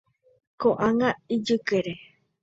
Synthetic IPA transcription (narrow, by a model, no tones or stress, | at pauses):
koʔaŋãid͡ʒɨkeɾe